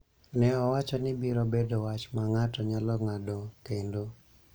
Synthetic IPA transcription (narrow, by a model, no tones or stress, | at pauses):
nɛɔwat͡ʃɔnɪbiɾɔbedowat͡ʃmaŋatɔɲalɔŋadɔkendo